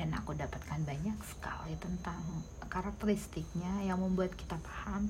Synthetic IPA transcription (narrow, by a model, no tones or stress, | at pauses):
ana̰kudapat̪̚kanbaɲaksə̥ka̰lit̪ənt̪aŋ | kaɾak̚t̪əɾist̪ɪk̚ɲajaŋməmbuat̪̚ki̥t̪apḁham